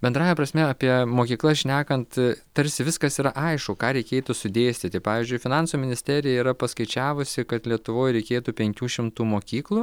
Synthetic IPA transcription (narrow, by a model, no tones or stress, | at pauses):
bʲɛnd̪ɾɑːjɛpɾɐsʲmʲɛɐpʲiɛmoːkʲiːklˠɐʃʲnʲæːkɐnt̪t̪ɐɾʲsʲɪʋʲɪskɐsiːɾɐʔɐɪʃkʊkɑːɾʲɛɪkʲeːt̪ʊsʊd̪ʲeːsʲt̪ʲɪt̪ʲɪpɑːʋʲiːzʲd͡ʒʲʊɪfʲɪnɑnsuːmʲɪnʲɪsʲt̪ʲæɾʲɪjɛiːɾɐpɐskɐɪt͡ʃʲæːʋʊsʲɪkɐt̪lʲiɛt̪ʊʋoːjɾʲɛɪkʲeːt̪uːpʲɛŋʲkʲuːʃʲɪmt̪uːmoːkʲiːklˠuː